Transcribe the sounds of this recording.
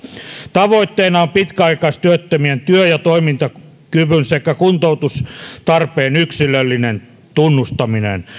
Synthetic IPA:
t̪ɑʋoit̪ːeːnɑompit̪kæɑikɑist̪yøt̪ːømient̪yøjɑt̪oimint̪ɑ | kyʋynsekːækunt̪out̪ust̪ɑrpeːnyksilːˑølːinen | t̪unːust̪ɑminḛn

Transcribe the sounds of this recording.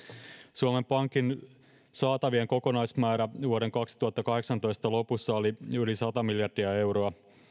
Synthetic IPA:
suome̞mpɑŋkin | sɑːt̪ɑʋieŋko̞ko̞nɑjsmæːɾæʋuoɾe̞ŋkɑksi̥t̪uhɑt̪ːɑkɑhe̞ksɑnt̪o̞jst̪ɑlo̞pusːɑoliylisɑt̪ɑmiljɑrdiɑe̞wɾo̞ɑ

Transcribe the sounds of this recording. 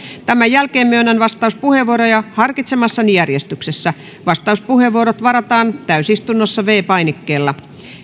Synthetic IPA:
t̪æmæjælkeːmmyønænʋɑst̪ɑuspuheʋuoɾojɑhɑrkit̪semɑsːɑnijærjest̪yksesːæ | ʋɑst̪ɑuspuheʋuoɾot̪ʋɑɾɑt̪ɑːnt̪æysist̪unːosːɑʋeːpɑinikːeːlːɑ

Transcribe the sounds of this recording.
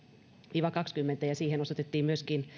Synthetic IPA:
ʋiːʋɑkɑkskymːent̪æjɑsiːhenosot̪et̪ːiːmyøskin

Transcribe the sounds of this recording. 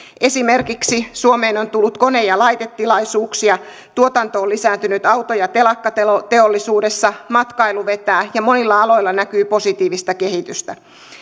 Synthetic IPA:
ʔe̞simerkiksisuomeːnont̪ulːut̪koneːjɑlɑjt̪et̪ːilɑisuːksiɑ | t̪uot̪ɑnt̪oːlisæːnt̪ynyt̪ɑwt̪ojɑt̪e̞lɑkːɑt̪et̪eolːisuːdesːɑmɑt̪kɑiluʋet̪æːjɑmonilːɑɑlo̞ilːɑnækyːpo̞sit̪iːʋist̪ɑke̞ɦit̪yst̪æ

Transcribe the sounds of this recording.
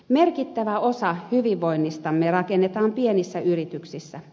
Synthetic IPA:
merkit̪ːæʋæosɑhyʋiʋːoinːist̪ɑmːerɑkenːet̪ɑːmpienisːæʔyrit̪yksisːæ

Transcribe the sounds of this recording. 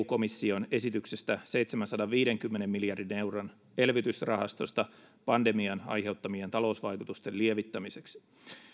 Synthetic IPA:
ko̞misːio̞ne̞sit̪ykse̞st̪æse̞jt̪semænsɑdɑʋʋiːdeŋkymːenemːiljɑrdine̞wron | elʋit̪ysrɑhɑst̪o̞st̪ɑ | pɑnde̞miɑnɑ̰jɦe̞wt̪ːɑmient̪ɑlo̞usʋɑjkut̪ust̪elieʋit̪ːæmise̞ks

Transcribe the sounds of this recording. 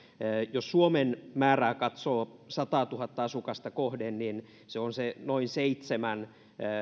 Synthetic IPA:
jossuomenmæːræːkɑt̪soːsɑt̪ɑːt̪uhɑt̪ːɑɑsukɑst̪ɑkohdennin | seonsenoinseit̪semænː

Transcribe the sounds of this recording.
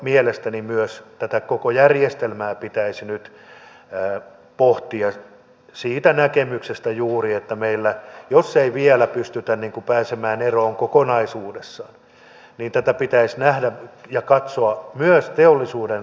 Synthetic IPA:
mielest̪ænimyøst̪æt̪ækokojærjest̪elmæːpit̪æisnyt̪ː | poht̪iɑ | siːt̪ænækemyksest̪æjuːriet̪ːæmeilːæjosːeiʋiɛlæpyst̪yt̪ænniːŋkupæːsemæːneroːŋkokonɑisuːdesːɑːn | niːnt̪æt̪æpit̪æisnæhdæjɑkɑt̪soɑmyøst̪eolːisuːden

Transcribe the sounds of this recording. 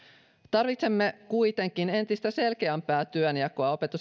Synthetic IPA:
t̪ɑrʋit̪se̞mːe̞kujt̪e̞ŋk̟ine̞nt̪ist̪æse̞lk̟e̞æmpæːt̪yøniɑkːoɑo̞pe̞t̪us

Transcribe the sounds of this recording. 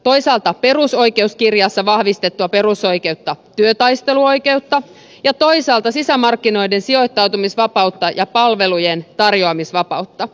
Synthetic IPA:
t̪ojsɑːlt̪ɑpe̞ruso̞jke̞uskirjɑsːɑʋɑhʋist̪et̪ːuɑpe̞ɾuso̞jke̞wt̪ːɑt̪yøt̪ɑjst̪e̞luo̞jke̞ut̪ːɑ | jɑt̪o̞ijsɑːlt̪ɑsisæmɑrkːino̞jdensio̞jt̪ːɑwt̪umisʋɑpɑwt̪ːɑjɑpɑlʋe̞lujent̪ɑrjoɑmisʋɑpɑut̪ːɑ

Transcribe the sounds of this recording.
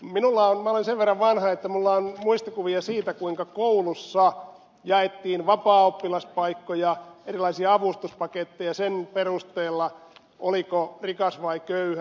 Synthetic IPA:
minulːɑonmæolenseʋʋerːɑʋʋɑnhɑet̪ːæmulːɑonmuist̪okuʋiɑsiːt̪ækuiŋkɑkoulusːɑ | jɑet̪ːiːnʋɑpɑːopːilɑspɑikːojɑerilˑɑisiɑɑʋust̪uspɑket̪ːejɑsenperust̪eːlːɑ | ʔolikorikɑsʋɑikøyhæ

